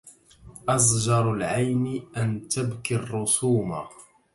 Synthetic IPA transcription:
ʔɑzˤd͡ʒɑɾˤalʕajnɪʔant̪abkirˤːʊsuːma̰

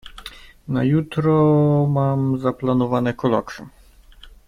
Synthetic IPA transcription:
na̰jut̪ɾɔmamzaplˠanɔvanɛkɔlˠɔ̰ksɛ̰

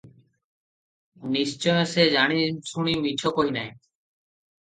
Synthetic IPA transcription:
nist͡ʃɔjõseːd͡ʒaːɽ̃iːsuɳ̃iːmit͡ʃʰoːkoːɦiːnaːẽ

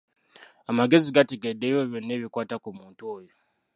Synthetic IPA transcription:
amaɡe̞ziɡate̞ɡe̞dːe̞joβjo̞nːe̞ːβikwaːtakumuːntuojo

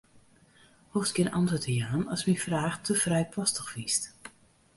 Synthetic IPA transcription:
hoftɡɪnʔɔntətəjaːnɔsmifraːxtʰəfrɛjpʰɔstəxfist

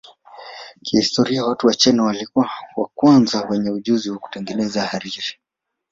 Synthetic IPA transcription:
kihistɔɾiawatuwat͡ʃɛnawalikuawa̰kwanzawɛɲɛuʄuziwaku̥tɛŋɡɛnɛzahaɾiɾi̥

